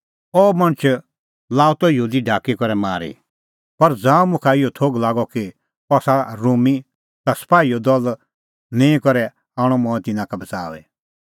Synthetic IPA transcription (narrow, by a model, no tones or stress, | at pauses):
ɔːmɐ̃ñt͡ʃʰ | laːut̪ɔjuːd̪iɖʱaːkikɔɾɛma̰ːɾḭ | pɐɾd͡zãːũmʊ̃kʰaɪjɔt̪ʰoːɡlaːɡɔki | ɔsaɾuːmi | t̪asɐ̥paːiɔd̪ɔl | nẽːĩkɔɾɛ | aːɽ̃ɔmɔ̃ːɛ̃t̪ɪnãkabɐt͡sa̰ːʋɛ̰